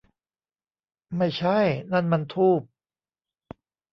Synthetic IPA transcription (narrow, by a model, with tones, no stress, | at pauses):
ma˥˩jt͡ɕʰa˥˩jna˥˩nma˧nt̪ʰuː˥˩p̚